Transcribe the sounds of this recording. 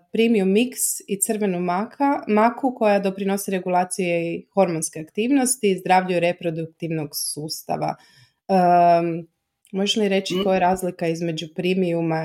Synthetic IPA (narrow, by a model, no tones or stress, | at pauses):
pɾimiumːiksit̪sɨr̩ʋe̞numakʰamakuko̞jad̪o̞pɾino̞siɾe̞ɡulˠaːt̪sijexo̞ɾmonskeakt̪iːʋno̞st̪izd̪ɾaʋʎujuɾe̞pɾo̞d̪uk̚t̪iʋnoɡsuːst̪a̰ʋa̰ | ə | mo̞ʒeliɾe̞t͡ʃik̪ojeɾaːzlikaizme̞d͡ʒupɾimiuma